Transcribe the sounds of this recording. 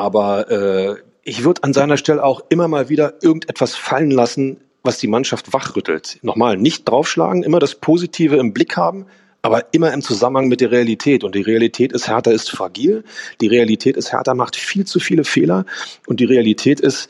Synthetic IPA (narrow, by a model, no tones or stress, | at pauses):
ʔaːbɐʔɛː | ʔɪçv̥ʏɐdəanzaɪnɐʃtɛləaʊxʔɪmɐmaːlviːɾɐʔɪɐɡŋ̩tʔɛtv̥asfalənlasn̩ | vasd̥iːmanʃaftv̥aχʁ̥ʏtʰl̩tnɔχmaːlnɪçt̚d̥ʁaʊfʃla̰ːɡŋ̩ʔɪmɐɾaspʰoːzitʰiːvəɪmblɪkhaːbm̩ | ʔaːbɐʔɪmɐɪmt͡suzamənhaŋmɪt̚d̥eːɐʁealitʰɛːtʊnt̚d̥iːʁealitʰɛːtɪsthɛɐtɐɪstfʁ̥aɡiːld̥iːʁ̞ealitʰɛːtɪsthɛ̰ɐtɐmaχtfiːlt͡sufiːləfeːlɐʔʊnt̚d̥iːʁealitʰɛːtɪst